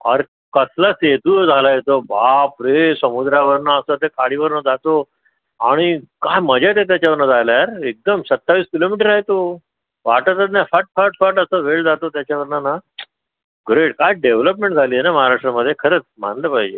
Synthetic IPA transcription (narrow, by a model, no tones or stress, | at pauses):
ə̰ɾ | kəslaset̪ud͡zʱalaɦet̪obapɾesəmud̪ɾaʋəɾnaəsət̪ekaɽiʋəɾnad͡zat̪o | aɽ̃ikajməd͡ʑʱat̪et̪jat͡ɕaʋəɾnad͡zʱajlajaɾek̚d̪əmsət̪ːaʋiːskilomiʈəɾːaɦjt̪o | ʋaʈət̪ənafaʈ̚faʈfaʈəsəʋeɭd͡zat̪ot̪jat͡ɕaʋəɾnana | ɡɾeʈkajɖeʋləp̬mẽɳʈd͡zʱalienaməɦaɾaʂʈɾaməd̪ʱːjekʰəɾət͡sm̤a̰nləpaɦid͡ʑḛ